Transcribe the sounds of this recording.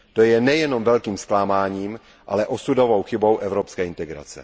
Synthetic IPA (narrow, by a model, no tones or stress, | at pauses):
t̪ojɛnɛjɛnomvɛlkiːmsklaːmaːɲiːm | ʔa̰lɛʔosudovowxɪbo̞wʔɛvɾopskɛːɪnt̪ɛɡɾa̰t͡sɛ̰